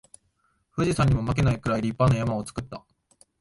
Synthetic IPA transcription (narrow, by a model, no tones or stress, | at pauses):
ɸɯ̟ʑisãɲ̟ːimo̞mak̬e̞naikɯ̟ɾaiɾʲipːano̞jamao̞t͡sɨ̥kɯ̟t̪ːa